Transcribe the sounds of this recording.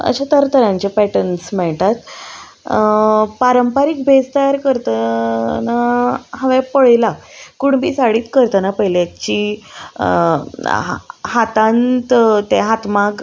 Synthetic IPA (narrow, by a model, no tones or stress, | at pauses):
ə̰ɕat̪əɾt̪əɾãɲt͡ɕepɛʈənsmɛɭt̪at̪ | paɾəmpaɾik̚bʱest̪əjaɾkəɾt̪ənaɦəʋɛpəɭjlakuɳbʱḭːsaɽiːt̪kəɾt̪ənapəjljat͡ɕi | hat̪ãnt̪t̪eɦat̪maɡ